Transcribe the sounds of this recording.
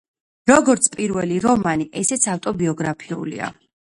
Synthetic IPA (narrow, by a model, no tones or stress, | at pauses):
ɾɔɡɔɾt̪sʰpʼiɾvɛliɾɔmaniʔɛsɛt̪sʰaft̪ʼɔbiɔɡɾapʰiṵlḭa̰